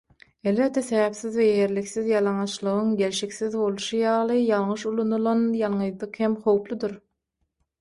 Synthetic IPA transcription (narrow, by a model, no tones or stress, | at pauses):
e̞lβe̞t̪̚d̪ːeθeβæpθiðvejeheɾlikθiðjɑlˠɑŋɑʃlˠɯʁɯŋɡʲe̞lʃikθiðbo̞lˠuʃujɑːlˠɯjɑlˠŋɯʃulˠonulˠɑnjɑlˠɴɯjd̪ˠɯqhemχo̞wplˠud̪uɾ